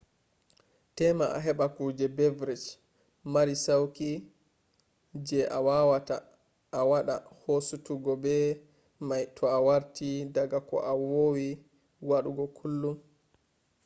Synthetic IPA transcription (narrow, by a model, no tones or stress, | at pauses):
tɛmaa̰ɦɛɓakud͡ʒɛbɛvɾɛt͡ʃ | maɾisawki | d͡ʒɛʔawawataː | waɗa̰hosutuɡɔbɛ | majtʰɔawaɾtidaɡakɔ̰ʔawowi | waɗuɡɔkʰulːum